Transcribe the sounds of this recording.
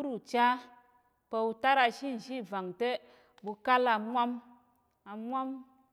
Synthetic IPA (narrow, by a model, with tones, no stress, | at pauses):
u˦ɾu˨t͡ʃa˦ | pe˧u˧ta˦ɾa˧ʃi˦˨n̩˨ʃi˦˨va˨ŋte˦ | bu˧ka˦la˧mʷa˦m | a˧mʷa˦m